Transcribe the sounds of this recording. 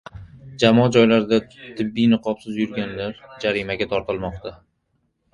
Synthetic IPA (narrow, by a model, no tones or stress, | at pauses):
d͡ʒamɒd͡ʒɒjlaɾd̪at̪ʰɪbːijnɨqʰɒpsɪzjʊɾɡʲanlaɾd͡ʒaɾimaɡʲat̪ʰɒɾt̪ʰɪlˠmɒqt̪ʰa